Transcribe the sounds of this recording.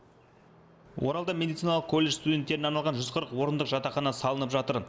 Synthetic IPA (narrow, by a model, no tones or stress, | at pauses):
wʔo̞ɾɑlˠd̪ɑmʲe̞d̪ijt̪sijnɑlˠəq̚kʰo̞lʲːe̞ʃst̪udʲe̞nt̪ːe̞ɾɪnɑɾnɑlˠʁɑnʒʏzqʰəɾəqwo̞ɾənd̪əqʒɑt̪ɑχɑnɑsɑlˠənəpʒɑt̪əɾ